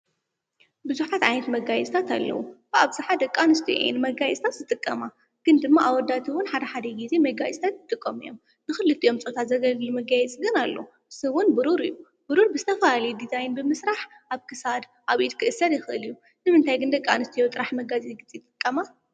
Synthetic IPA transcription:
bɨzuħat̪ʕajnɐt̪mɐɡajɛt͡sʼt̪ʰat̪ʰa̰lːɐ̰wṵbɨʔaβzɨħad̪ɐkʼːanɨst̪ʰij̰ʔḛɛ̰nmɐɡajɛsʼt̪ʰat̪zɨt̪ʼɨkʼːɐma | ɡ̥ɨnd̪ɨmːaʔaβwɔd̪ːat̪ʰiwʊnħad̪ɐħad̪ɐɡize̞mɐɡajɛsʼt̪ʰat̪jɨt̪ʼɨkʼːomɨ̰jom | nɨxɨlːɨt̪ʼijo̞mt͡sʼot̪ʰat̪zɐɡɐllumɐɡajɛt͡sʼɡɨnalːo | ʔɨsɨwʊnbɨɾuɾɨjːu | bɨɾuɾbɨzɨt̪ʰɐfalalɐjd̪izajɪnbɨmɨsɾaħ | ʔaβkʰɨsad̪ | ʔaβʔit̪̚kʰɨʔɨsɐdjɪxɨʔɨ̰lijːu | nɨmɨnt̪ʰajɡɨnd̪ɐkʼːanɨst̪ʰijot̪ʼɨɾaħmɐɡazʼiɡɨt͡sʼit̪ʼɨkʼːɐma

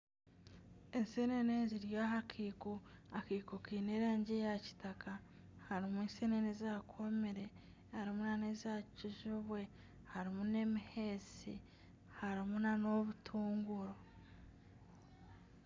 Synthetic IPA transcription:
e̞nseneneziɾjaːɦakʰiːkuakiːkokiːneːɾaːɲɟejaci̥taka | haɾimuensenenezaːkʰomeɾe̞ | haɾimunanezaːciʒuβwe̞ | haɾimune̞mihe̞sḭ | haɾimunano̞βutʰuːŋɡuɾo̞

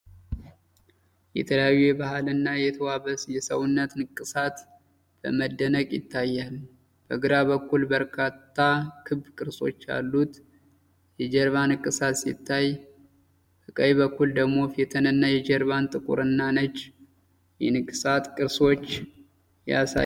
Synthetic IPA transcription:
jɛ̰t̪ʰələjajːujɛbahalɨnːajɛt̪ʰəwaβəsjɛsəwʊnːət̪nɨkʼːɨsat̪ | b̥ə̰məd̪ːənəkʼjɪ̰t̪ʰːajːal | b̥əɡɨɾaβəkːulbəɾkʰat̪ʰːakʰɨβkʼɨɾso̞̰t͡ʃːa̰lːut̪ | jɛd͡ʒɛɾβanɨkʼɨsat̪sḭt̪ʰːaj | bəkʼəββəkːuld̪əɡmo̞fet̪ʰənɨnːajɛd͡ʒɛɾβant̪ʼɨkʼṵɾɨnːanət͡ʃː | jɛnɨkʼːɨsat̪kʼɨɾso̞t͡ʃː | ja̰sa̰

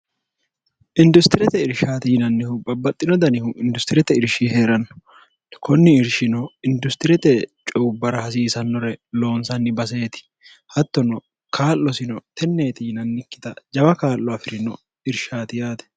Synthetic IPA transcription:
ʔɪnd̪ʊst̪ɪɾɛt̪ɛɪɾʃaːt̪ɪjɪnɐnːɪhʊbɐbːɐt̪ʼːɪnɔd̪ɐnɪhʊʔɪnd̪ʊst̪ɪɾɛt̪ɛɪɾʃiheːɾɐnːɔ̥ | kʰɔnːɪɪɾʃɪnɔɪnd̪ʊst̪ɪɾɛt̪ɛt͡ʃʼɔbːɐɾɐhɐs̬iːsɐnːɔɾɛlo̞ːnsɐnːɪbɐs̬e̞ːt̪ɪ̥ | hɐt̪ːɔnɔ | kaːlːɔsɪnɔt̪ɛnːe̞ːt̪ɪjɪnɐnːɪkːɪt̪ɐd͡ʒɐbɐkaːlːɔɐfɪɾɪnɔ | ɪɾʃaːt̪ɪjaːt̪ɛ̥

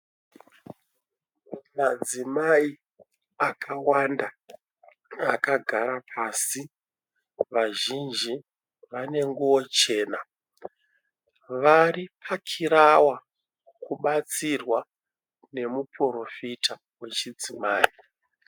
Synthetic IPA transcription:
mad͡zimai | akʰawanda | akaɡʱaɾapʰaːsi | ʋaʒind͡ʒi | ʋane̞ŋɡuwo̞t͡ʃe̞ːna | ʋaɾipʰakʰiɾawa | kuɓat͡sirwa | ne̞muporo̞fita | we̞t͡ʃid͡zimaːi

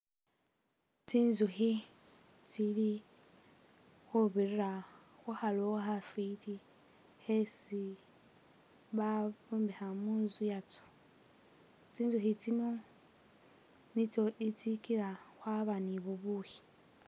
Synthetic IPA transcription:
t͡sinzuxi | t͡sili | xuβiɾiɾa | xuhalohafiti | hesi | βaβumbehamuːnzujat͡so̥ | t͡siːnzuhit͡sino | nitoʔit͡sikiɾaxwaβaniβuβuhi̥

